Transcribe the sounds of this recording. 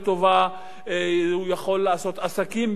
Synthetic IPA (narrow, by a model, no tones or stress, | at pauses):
t̪o̞va | ujaχo̞lːaːso̞t̪asakim